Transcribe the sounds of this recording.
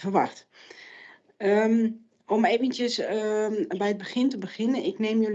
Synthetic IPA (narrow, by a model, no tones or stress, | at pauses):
vərʋa̰xt | ə | ɔmeːvəntjəs | bɛjəd̚bəχɪntəbəχɪnənɪkneːmjøl